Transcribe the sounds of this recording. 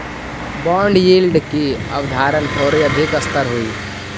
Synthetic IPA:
bɔːɳɖjiːlɖkiɐ̰ʋd̪ʱaːɾənkʰoːɾiəd̪ʱikəst̪əɾɦuiː

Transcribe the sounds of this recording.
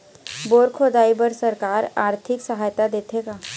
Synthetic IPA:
boːɾkʰoːd̪aːibəɾsəɾkaːɾaːɾt̪ʰɪksəɦaːjt̪ad̪eːt̪ʰeːɡaː

